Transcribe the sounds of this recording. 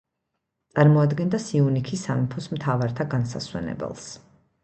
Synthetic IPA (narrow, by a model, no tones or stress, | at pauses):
t̪sʼaɾmɔad̪ɡɛnd̪asiunikʰisamipʰɔsmt̪ʰavaɾt̪ʰaɡansa̰swɛ̰nɛ̰bɛ̰lˠs